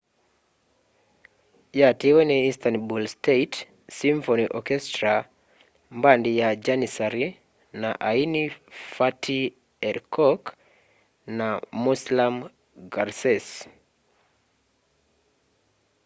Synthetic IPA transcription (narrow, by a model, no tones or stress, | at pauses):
jatiwɛniistanbulstet | siɱfoniʔɔkɛstɾa | mbandijad͡ʒanisaɾi | na̰ʔainifatʰi | ɛɾkɔk | namuslam | ɡaɾsɛs